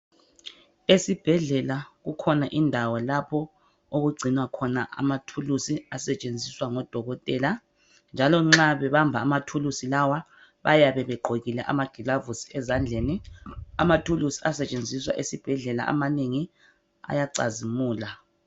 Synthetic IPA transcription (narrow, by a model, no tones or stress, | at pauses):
esib̥ʱɛɮɛlaɣukʰɔnaʔindʱawɔlapʰɔ | oɣuɡ͡ǀʱinwakʰɔnaʔa̰matʰulusiasɛt͡ʃʼend͡zʱiswaŋɔd̥ʱɔɣɔtʼɛːla | nd͡ʒʱalɔŋ͡ǁaβɛβambʱaːmatʰulusilawa | βa̰jaβɛβɛɡ͡ǃʱoɣilɛʔa̰maɡ̥ʱilavusi̥ɛzand͡ɮʱenia̰matʰulusi̥asɛt͡ʃʼend͡zʱiswa̰ʔesib̥ʱɛɮɛla̰ʔa̰maneŋi | a̰jaǀa̰zimuːla